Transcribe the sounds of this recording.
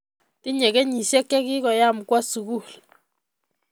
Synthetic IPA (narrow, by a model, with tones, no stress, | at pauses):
ti˦ɲɛ˨kɛ˦ɲi˨ʃɛ˦kːɛ˦ki˦kɔ˨ja˦˨m̩˨kwa˦su˨ku˦˨l